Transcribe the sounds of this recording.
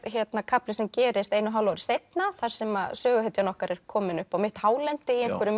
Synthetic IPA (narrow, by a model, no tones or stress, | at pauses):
çjɛt̪nakʰaplɪsɛmcɛːɾɪst̪ejnʏɦaːwlawɾɪ̥sejt̪naθaɾ̥sɛmasœːɣʏjt̪janɔhkaɾɛɾ̥kʰɔːmɪnʏhpaɣmɪht̪haːwlɛnt̪ɪiejŋkʰvʏɾʏ